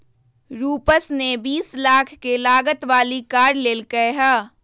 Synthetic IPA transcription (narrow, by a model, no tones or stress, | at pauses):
ɾuːpəsnebiːslaːkʰkelaːɡət̪ʋaːlikaːɾleːlkəeɦɛː